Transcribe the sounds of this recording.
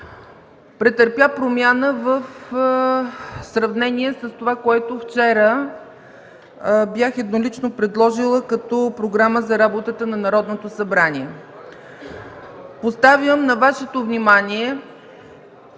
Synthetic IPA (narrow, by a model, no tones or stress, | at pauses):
pɾɛt̪əɾpʲjapɾomʲjanəvəf | sɾɐvnɛniɛsəst̪ovakoɛt̪oft͡ʃɛɾə | bjaxɛd̪nolit͡ʃnopɾɛd̪lˠɔʒilˠəkɐt̪ɔpɾoɡɾaməzɐɾabot̪ət̪ənɐnɐɾɔd̪not̪osɐbɾanʲiɛ | post̪avjəmnɐvaʃɛt̪ovnimanʲiɛ